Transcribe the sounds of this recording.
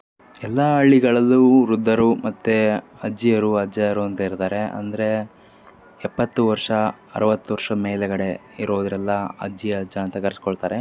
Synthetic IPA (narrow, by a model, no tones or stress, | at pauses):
ɛlːɐɐɭːiɡɐɭɐlːuɾud̪ʱːɐɾumɐt̪ːe | ɐd͡ʒːijɐɾuɐd͡ʒɐjɐɾuɐnt̪ɐiɾt̪aːɾe̞ɐ̰nd̪ɐɾe̞ | ɛpːɐt̪ːuʋɐɾʂɐ | ɐ̰ɾɐʋɐt̪ːuʋɐɾʂɐmeːlɛɡɐɽe̞ | iɾoːd̪ɾɛlːɐɐ̰d͡ʒijɐɐd͡ʒɐːnt̪ɐkɐɾsi̥kɔɭt̪aːɾe̞